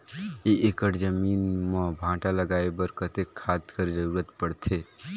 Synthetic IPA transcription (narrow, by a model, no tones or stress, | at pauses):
eʔekəʈd͡ʒəmiːnmãbʱãːʈaləɡaːebəɾkət̪ekʰːad̪kəɾd͡ʒəɾuːɾət̪pəɽt̪ʰe